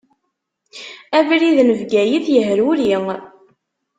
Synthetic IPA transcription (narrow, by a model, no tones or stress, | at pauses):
ævɾiðnəvɡæjiθjəɦɾuɾiŋ